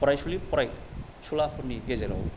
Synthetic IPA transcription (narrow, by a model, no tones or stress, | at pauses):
pɔɾajsulipɔɾaj | sulapʰuɾniɡezeɾɔ̰w